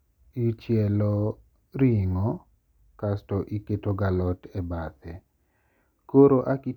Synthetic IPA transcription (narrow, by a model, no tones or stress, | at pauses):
it͡ʃjɛlɔ | ɾiŋɔ | kastɔʔiketoɡalɔtɛbat̪ɛ | koɾoʔaki